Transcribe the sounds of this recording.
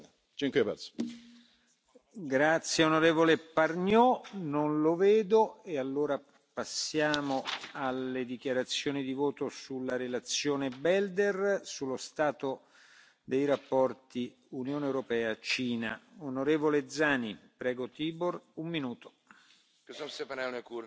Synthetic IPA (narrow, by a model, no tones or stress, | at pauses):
t͡ʃɛŋkipɛ̰s | ɡɾat̪sːjeonoɾeːvoleparɲjɔnonloveːd̪oealːoːɾa | pasːjaːmoalːed̪ikjaɾat̪sːjoːnid̪ivoːt̪osulːaɾelat̪sːjoːnebɛld̪ersulːost̪aːt̪o | d̪ejɾapːɔrt̪i | unjoːneewɾopɛːat͡ʃiːna̰onoɾeːvoled̪zaːnipɾɛːɡot̪iːborumːinuːt̪o̥ | ksosepanɛnekuɾ